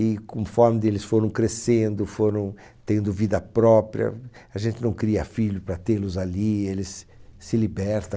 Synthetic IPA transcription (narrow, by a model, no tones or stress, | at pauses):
ɪkõmfɔɾmɪd̪elɪsfoɾɐ̃w̃kɾesẽnd̪ʊfoɾɐ̃w̃ | t̪ẽnd̪ʊvid̪ɐpɾɔpɾiɐ̰ | aʒẽnt̪ɪnɐ̃w̃kɾiɐ̰fiʎʊpɾɐt̪elʊzalielɪsːɪlibɛɾt̪ɐ̃